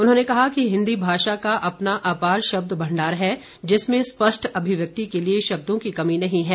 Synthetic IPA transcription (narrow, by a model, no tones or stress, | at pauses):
ʊnɦõːnekɐɦakiɦɪ̃nd̪ibʱaːʃakaʔɐpnaʔaːpaːɾʃɐb̚d̪bɐ̃ɳɖaːɾɦɛ | d͡ʒɪsmẽspɐʃʈʰɐbʱɪʋjɐk̚t̪ikelieʃɐb̚d̪õkikɐminɐɦĩɦɛː